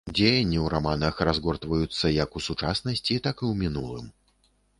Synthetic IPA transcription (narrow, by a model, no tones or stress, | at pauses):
d͡zʲejɐnʲːiwɾamanɐxrazɣɔrt̪vɐjut̪sːɐjɐkusut͡ʂasnɐsʲt͡sʲit̪akɨwmʲinulˠɨ̰m